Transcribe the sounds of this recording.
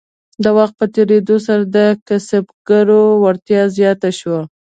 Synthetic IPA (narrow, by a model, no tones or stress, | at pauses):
d̪əwaxt̪̚pət̪eɾed̪os̬aɾad̪əkasabɡ̥aɾowaɾt̪jɑzjɑt̪aʃwa